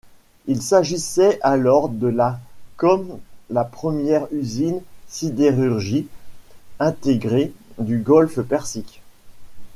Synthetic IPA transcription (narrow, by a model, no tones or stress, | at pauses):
ilsaʒisɛʔalɔʁd̪əlakɔmlapχəmjɛʁyzinsid̪eʁyʁʒi | ɛ̃t̪eɡʁed̪yɡɔlfpɛʁsik